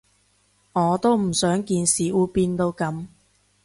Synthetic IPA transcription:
ŋɔː˨˧t̪o˥wm̩˨˩sœː˨˥ŋkiː˧nsiː˨˩ʔuː˨˧piː˧nt̪o˧wkɐ˨˥m

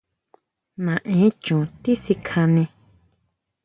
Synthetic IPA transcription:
nã˨ʔẽ˨˦t͡ʃũ˨t̪i˦si˧kʰã˧nĩ˧

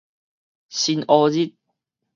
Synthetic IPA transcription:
si˧nɔː˧zi˦˥t̪̚

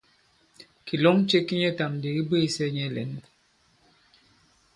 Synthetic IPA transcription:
ki˨lɔ˦ŋ˦t͡ʃe˦ki˦ɲɛ˦ta˨mdi˨ɣi˦be˦˨sɛ˦ɲɛ˦˨lɛ̰˨n˦

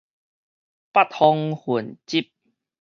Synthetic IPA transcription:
pa˦t̚hɔ˧ŋhu˨˩nt͡ɕi˦p̚

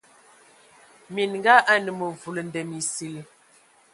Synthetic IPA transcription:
mi˨nŋɡa˦ʔa˦nə˨mə˨vu˨lə˨n˨dɛ˨mi˨si˨l

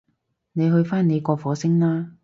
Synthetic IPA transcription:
ne˨˧jhɵ˧ɥfaː˥nne˨˧jkɔː˧fɔː˨˧˥sɪ˥ŋlaː˥

